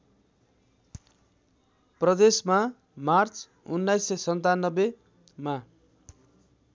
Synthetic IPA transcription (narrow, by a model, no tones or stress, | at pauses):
prʌd̪esma | mart͡s | unːajsːʌsʌnt̪anːʌbe | ma